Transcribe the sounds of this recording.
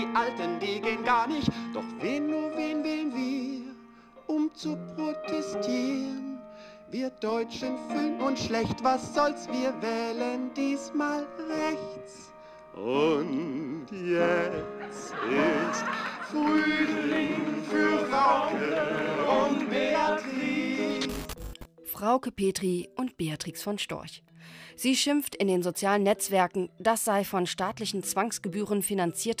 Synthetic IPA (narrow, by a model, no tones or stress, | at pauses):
iːʔaltəndiːɡeːənɡaːɐnɪçtd̥ɔχveːnːuːɐveːnvɛeːənviː | ʔʊmt͡supʁ̥otʰɛstʰiːʁən | viːɐd̥ɔʏt͡ʃənfyːlənʔʊnsʃlɛçtv̥asz̥ɔlsv̥iːɐvɛːləndiːsmaːlʁɛçt͡s | ʔʊntjɛt͡stɪstfʁyːlɪŋfyːɐvaʊkəʊntbeatʁiːsfʁ̥aʊkəpeːtʁ̥iʔʊntb̥eatʁ̥iːsfɔnʃtɔ̰ɐç | z̥iːʃɪmftɪndeːnzot͡sjaːlənɛt͡sv̥ɛɐkŋ̩d̥asz̥aɪfɔnʃtaːtlɪçn̩t͡sv̥aŋsɡ̥əbyːʁənfinant͡siːɐt